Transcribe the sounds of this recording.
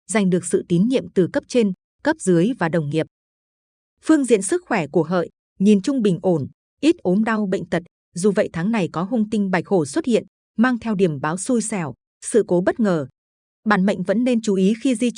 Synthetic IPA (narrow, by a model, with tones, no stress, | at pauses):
za˨˩jŋ̟ɗɨ˨˩ək̚sɨ̰˧˨t̪i˨˦nɲḭ˧˨əmt̪ɨ˨˩kə˦˥p̚t͡ɕe˧n | kə˦˥p̚zɨ˨˦əjvaː˨˩ɗə˨˩wŋ͡mŋi˨˩əp̚ | fɨ˧əŋzḭ˧˨ənsɨ˦˥k̚xwɛ˧˩ku˧˩əɦə̰ː˧˨jʔ | ɲi˨˩nt͡ɕʊ˧ŋ͡mɓï˨˩ŋ̟ʔo˧˩n | ʔi˦˥t̚ʔo˨˦mɗa˧wɓə̰˧˨jŋ̟t̪ə˨˩t̚ | zu˨˩və̰˧˨jt̪ʰaː˨˦ŋna˨˩jkɔ˨˦ɦʊ˧ŋ͡mt̪ï˧ŋ̟ɓa˨˩jk̚ho˧˩swə˦˥t̚hḭ˧˨ən | maː˧ŋt̪ʰɛ˧wɗi˧˩əmɓaː˨˦wsu˧jsɛ˧˩w | sɨ̰˧˨ko˨˦ɓə˦˥t̚ŋəː˨˩ | ɓaː˧˩nmə̰˧˨jŋ̟və̰˧˥nːe˧nt͡ɕu˨˦ʔi˨˦xi˧zi˧